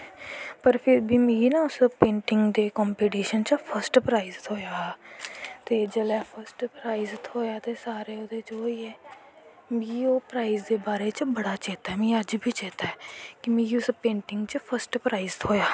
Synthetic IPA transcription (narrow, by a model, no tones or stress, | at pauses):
pəɾpʰɪɾbʱiːmiːnãʊspẽːɳʈɪŋɡd̪eːkɔːmpeːʈiːʃənt͡ʃəpʰəɾsʈpɾaːizt̪ɦoːjaː | t̪eːd͡ʒəlɛːpʰəɾsʈpɾaːizt̪ɦoːjaːt̪eːsaːɾeːod̪eːd͡ʒoːiɛː | miːoːpɾaːizd̪eːbaːɾeːt͡ʃbəɽaːt͡ʃeːt̪aɛmĩːəd͡ʒbʱiːt͡ʃeːt̪aːɛkɪmĩːʊspẽːɳʈɪ̃ŋɡt͡ʃəpʰəɾsʈpɾaːizɦoːjaː